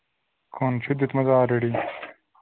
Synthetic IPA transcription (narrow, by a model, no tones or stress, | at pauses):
kʰont͡ɕʰid̪it̪mɐzaːɾeɽi